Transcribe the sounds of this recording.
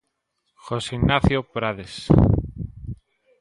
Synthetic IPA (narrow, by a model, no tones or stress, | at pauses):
xoseinaθjopɾaðes